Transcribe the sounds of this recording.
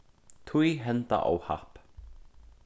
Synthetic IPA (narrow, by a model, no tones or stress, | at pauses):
t̪ʰujɦɛnt̪a̰ʔa̰wha̰hp